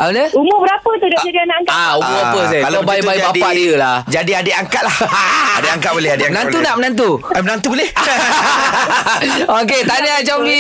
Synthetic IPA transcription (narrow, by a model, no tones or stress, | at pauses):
ʔa̰ləumʊbəɾapət̪udiad͡ʒadianaaŋkaauʊapəskalabajbajbaadiəlahd͡ʒadiadəaŋkat̪̚lahadeaŋkat̪̚bolɛhademənãnt̪unaʔmənant̪̬uamənant̪ubəleh | oket̪anəd͡ʒaɡi